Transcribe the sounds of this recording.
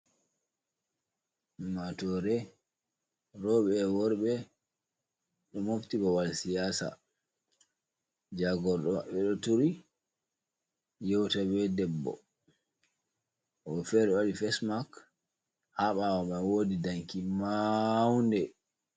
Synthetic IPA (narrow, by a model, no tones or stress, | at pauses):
matɔɾɛ | ɾɔɓɛwɔɾɓɛ | ɗɔmoftibɔwalsijaːsa̰ | d͡ʒaɡɔɗɔaɓɛɗɔtuɾi | jɛwtabɛdɛbːɔ̰ | ʔɔfɛɾɔwaɾifɛsmak | haɓawaɓawodidaŋkimawndɛ